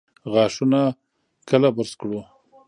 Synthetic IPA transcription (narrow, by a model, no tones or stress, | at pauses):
ɣɑʂuna | kəlabəɾskɽu